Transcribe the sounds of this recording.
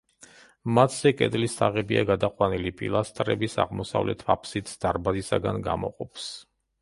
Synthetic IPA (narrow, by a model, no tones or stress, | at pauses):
mat̪ʰz̥ɛkʼɛ̰d̪ʼlisaʁɛbiaɡad̪aqʼwanilipʼḭlˠast̪ʼɾɛbisa̰ʁmɔsa̰vlɛt̪ʰvapʰsit̪sʰd̪̥aɾbazisaɡanɡa̰mɔ̰qʼɔpʰs